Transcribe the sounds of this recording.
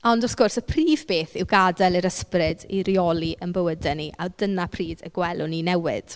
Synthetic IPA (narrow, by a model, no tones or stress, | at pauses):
ɔndɔθɡ̥ʊrsəpʰriːvbeːθɪwɡadɛlˠiɾəsprɪdiɾiɔlˠiʔənbəwədɛniʔawdənapʰriːdə̰ɡwɛlˠʊninɛwɪ̰d̥